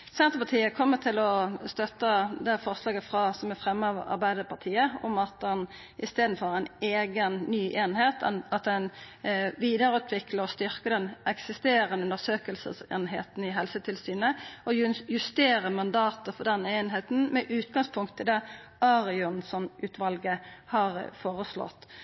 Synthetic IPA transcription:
sɛnt̪əpɑt̪ʰiːəkʰɔmːət̪ʰɪlɔst̪œt̪ːəd̪ɛfɔʁslɑːɡəfʁɑsɔmæɾfʁɛmːəɑʋɑ̰ɾbæɪd̪əpʰɑt̪ʰiːəɔmɑt̪ɛn | ɪst̪eːd̪n̩fɔʁæɪneːɡənːyːʔeːnɦeːt̪nɑt̪ɛn | ʋiːd̪əɾʉːt̪ʰʋɪkləɔst̪ʏʁkəd̪ɛnɛksɪst̪eːɾənəʉnd̪əɾsøːkəlsə̰sḛːnheːt̪n̩ɪɦɛlsət̪ʰɪlsyːnəʔɔjʉst̪eːɾəmɑnd̪ɑːt̪əfɔʁd̪ɛneːnɦeːt̪n̩mɛʔʉːt̪ɡɑŋspʰʊŋkt̪ʰːɪld̪ɛʔɑʁɪʊnsɔnʉːt̪ʋɑlɡəhɑʁfoːʁəslɔ̰t̪ː

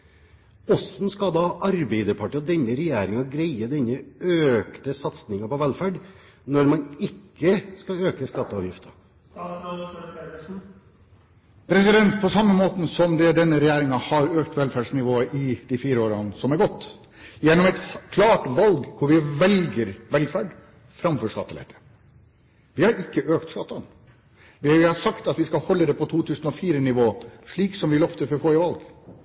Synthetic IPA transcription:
ɔsn̩skɑd̪ɑʔɑɾbɛɪd̪əɾpʰɑʈiɔd̪ɛɲːəɾɛjæːɾɪŋɑɡɾæɪəd̪ɛnːəøːkt̪əsɑt̪snɪŋɑpɔʋɛlfæːɖ | nɔɾmɑnɪkːəskɑøːkəskɑt̪ːəɑːʋjɪft̪ə | pʰɾɛsɪd̪ɛnt̪̚pʰɔsɑmːəmoːt̪n̩sɔmd̪ɛd̪ɛnːəɾɛjæːɾɪŋɑhɑɾøːkt̪ʋɛlfæɖʂnɪʋoːəʔɪd̪ifiːɾəoːɾɑnsɔmæɾɡɔt̪ː | jɛnːɔmɛt̪kʰlɑːʈʋɑlɡkʰʊɾʋɪʋɛlɡəɾʋɛlfæːɖ | fɾɑmfɔʂkɑ̰t̪ːəlɛ̰t̪ʰə̥ | ʋɪhɑɾɪkːəʔøːkt̪skɑt̪ːɑn | ʋɪɪhɑsɑkt̪ɑt̪ʋɪskɑlhɔlːəd̪ɛpʰɔt̪ʰuːt̪ʰʉːsn̩ɔfiːɾənɪʋoːʂɭiːksɔmʋɪlɔft̪əfɔɾfoːɪʋɑlɡ

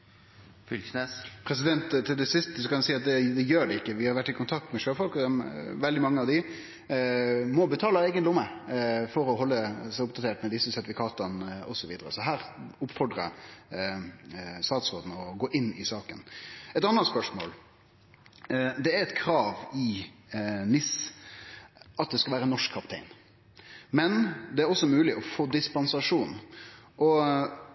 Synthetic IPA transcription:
fʏlnepʰɾɛs̬ɪd̪ɛnt̪ːt̪ʰːɪld̪ɛsɪst̪əsɔkɑnɛsiːɑt̪̚d̪ɛd̪ɛjøːɖɛɪkːəʋɪhɑɾʋæʈːɪkʰʊnt̪ʰɑk̚t̪mɛʃøːfɔlkɔd̪ɛmʋɛld̪ɪmɑŋːəɑʋd̪ɪ | mɔbət̪ʰɑːləɛɪɡənlɪʊməfɔɾɔɦɔlːəsæɪʊp̚d̪ɑt̪ʰeːʈmɛd̪ɪsəsɛɾt̪ɪfɪkʰɑːt̪ənɔsɔʋiːd̪əɾə̰sɔɦæːɾʊpfɔɖɾə̰ | st̪ɑːt̪sʁoːd̪n̩ɔɡoːʔɪnːɪsɑːkə̰nɛt̪ɑnːəspœʂmo̰ːl | d̪ɛæɾɛt̪kʰɾɑːʋɪ | nɪs | ɑt̪̚d̪ɛskɑʋæːɾənɔʂkʰːɑpt̪ʰɛ̰ɪn | mɛnd̪ɛæɾɔsːɔmʉːlɪʔɔfoːd̪ɪspɑnsɑʂuːnʔɔ

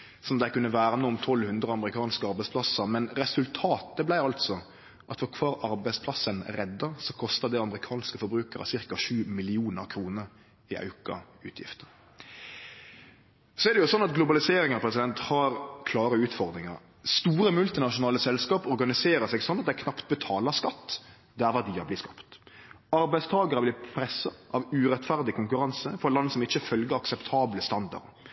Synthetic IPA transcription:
sɔmd̪æɪkʉnːəʋæːɾənuːɔmt̪ʰɔlhʉnd̪ɾəɑmɾɪkʰɑːnskəɑɾbæɪspʰlɑsəɾmɛnɾɛsʉlt̪ʰɑːt̪əblæɪɑlt̪sɔ | ʔɑt̪fɔɾkʰʋɑːɾɑɾbæɪspʰlɑsənɾɛd̪ːɑsɔkʰɔst̪ɑd̪ɛɑməɾɪkʰɑːnskəfɔɾbɾʉːkəɾɑ̰sɪʁkɑʂʉːmɪlɪuːnəɾkʰɾuːnəɾ | ɪʔɑ̰ʉkɑ̰ | ʉ̰ːt̪ʰjɪ̰ft̪ə̥ | sɔɛɾd̪ɛjʊsɔnːɑt̪ɡlʊbɑlɪseːɾɪŋɑpʰɾɛsɪd̪ɛnt̪hɑːɾkʰlɑːɾəʉːt̪fɔɾd̪ɾɪŋɑ̰ɾ | st̪uːɾəmʉlt̪ɪnɑʂʊnɑːləsɛlskɑːpɔɾɡɑnɪseːɾəsɛɡsɔnːɑt̪̚d̪æɪkʰnɑpt̪̚bət̪ʰɑːləskɑt̪ː | d̪ɛæːɾʋæʁd̪iːɑblɪːskɑpt̪ | ɑɾbæɪst̪ʰɑːɡɑɾəblɪːpʰɾɛsɑʔɑʋʉːɾɛt̪fæʁd̪ɪkʰʊŋkʉɾɑnsəfɔlɑnːsɔmɪt͡ʃːəfœlɡəɾɑksɛpt̪ʰɑːbləst̪ɑnd̪ɑ̰ʁd̪

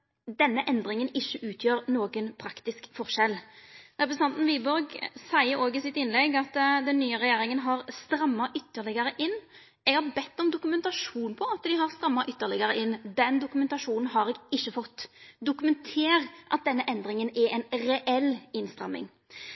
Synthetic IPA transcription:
d̪ɛnːəʔɛnd̪ɾɪŋənɪçːəʔʉːt̪ʰjøːɾnoːɡənpʰɾɑkt̪ɪskfɔʁʂɛlːɾɛpɾəsn̩ɑnt̪n̩ʋiːbɔɾɡsæɪəɾoːɡɪsɪt̪ɪnlɛɡɑt̪d̪ɛnːyːəʁɛjeːɾɪŋənɦɑʁst̪ɾɑmːɑʔʏt̪ːəʁlɪɡəɾəʔɪnː | ɛɡhɑɾbɛt̪ːɔmd̪ʊkʉmɛnt̪ɑʂuːnpʰɔɑt̪d̪ɪɦɑʁst̪ɾɑmːɑʔʏt̪ːəlɪɡəɾəʔɪnːd̪ɛnd̪ʊkʉmɛnt̪ɑʂuːnn̩ɦɑɾɛːɡɪçːəfɔt̪ːd̪ʊkʉmɛnt̪ʰeːʁʔɑ̰t̪̚d̪ɛnːəʔɛnd̪ɾɪŋənɛɛnɾɛʔɛlːɪnst̪ɾɑmːɪ̰ŋ

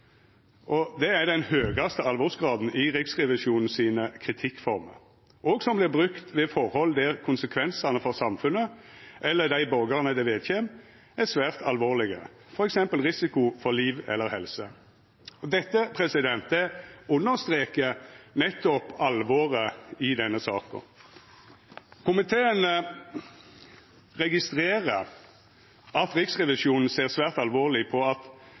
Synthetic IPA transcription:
ʔɔd̪ɛæɾd̪ɛnhøːɡɑst̪əɑlʋɔʁsɡʁɑːd̪n̩ʔɪʁɪksʁɛʋɪʃuːnn̩siːnəkʰɾɪt̪ʰɪkːfɔʁmə̰ | ɔːɡsɔmblɪʁbʁʉkt̪ʋeːfɔɾhɔld̪æʁkʰʊnsəkʰʋɛnsɑnəfɔʁsɑmfʉnːəʔɛlːəd̪æɪboːɡɑʁnəd̪ɛʋeːd̪çeːm | æsʋæːʁt̪ʰɑlʋoːʁlɪɡə | fɔɾɛksɛmpəlʁɪsɪkʊfɔʁliːʋɛ̰lːəɾhɛlsə | ɔd̪ɛt̪ːəpʰʁɛsɪd̪ɛnt̪ɛʊnːəʁst̪ʁeːkənɛt̪ːɔpɑlʋoːɾəɪd̪ɛnːəsɑːkɔ̰ | kʰʊmɪt̪ʰeːənə | ʁɛɡɪst̪ʁeːʁə | ɑt̪ɾɪksʁɛʋɪʃuːnn̩seːʁsʋæːʁt̪ɑlʋoːʁlɪpʰɔɑt̪

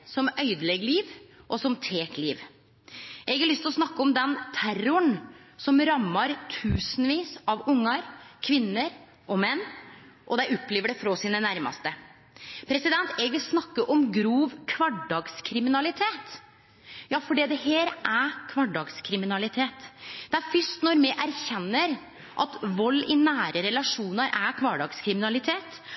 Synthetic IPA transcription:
sɔmœʏd̪lɛɡːəliːʋʔɔsɔmt̪ʰeːkliːʋ | ʔɛɡɑɾɭʏst̪ɪlɔsnɑkːəɔmd̪ɛnt̪ʰæɾʊəɳsɔmɾɑmːɑɾt̪ʰʉːsən̩ʋiːsɑʋʊŋːɑɾkʰʋɪnːəɾ | ʔɔmɛnː | ʔɔd̪æɪɔpːleːʋəɖɛfɾosiːnənæɾmɑ̰st̪ə | pʰɾɛsɪd̪ɛnt̪ɛɡʋɪlsnɑkːəʔɔmɡɾuːʋkʰʋɑɖːɑːɡskʰɾɪmɪnɑlɪt̪ʰeːt̪ | jɑːfɔɖiːd̪ɛheːɾʔækʰʋɑɖɖɑːɡskʰɾɪmɪnɑlɪt̪ʰeːt̪d̪̥ɛæɾfʏʂt̪nɔɾmɛʔæɾçɛnːəɾ | ʔɑ̰t̪ʋɔlːɪnæːɾəɾɛlɑʂuːnɑɾʔækʰʋɑːɖɑːɡskʰɾɪmɪnɑlɪt̪ʰeːt̪

